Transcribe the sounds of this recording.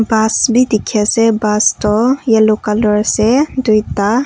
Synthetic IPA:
basbʱid̪ikʰɛsɛbast̪ɔjalokalɔɾsɛd̪ujt̪a

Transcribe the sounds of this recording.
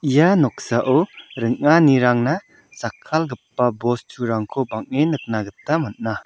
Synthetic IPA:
ijanɔk̚saʔɔɾɯŋaniɾaŋna | sakʰːalɡɯpːabɔst͡ʃʰuɾaŋkʰobaŋ̚enɯk̚naɡɯtːamat̚na

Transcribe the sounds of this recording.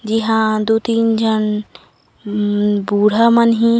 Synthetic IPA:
d͡ʒiɦãd̪ut̪iːnd͡ʒən | buːɽ̤amənɦĩ

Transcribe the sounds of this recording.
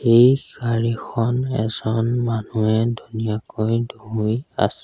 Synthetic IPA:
ejɡaɹixʰɔnɛ̰zɔnmanuɛdʱunijakojdoɦuja̰sɛ

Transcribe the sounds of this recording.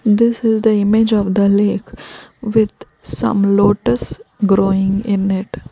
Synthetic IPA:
d̪ɪsɪzd̪əɪmɪd͡ʒɔːʋd̪əleːkʋɪd̪ | sʌ̰̃mloːʈəsɡɾoːɪ̃ŋɪ̃nɪʈ

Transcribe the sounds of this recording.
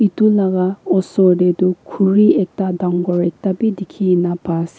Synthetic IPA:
itulaɡaɔsɔdedukʰuɹiɛk̚tadaŋɡɔɹɛk̚tabidikʰiinapas

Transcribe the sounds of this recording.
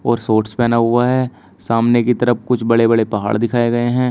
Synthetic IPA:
ɔːɾsoːʈspɛːnaɦʊaɦɛː | saːmnekit̪ɐɾəfkʊt͡ʃʰbɐɽebɐɽepɐɦa̰ːɭd̪ɪkʰaːeɡɐeɦɛ̃ː

